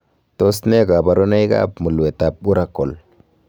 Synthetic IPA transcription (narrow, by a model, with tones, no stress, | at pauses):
to˦sne˦ɡa˨ba˨ɾo˦na˦jɡa̰˦pmu˨lwe˨ta˨p̚u˦ɾa˨kːo˨l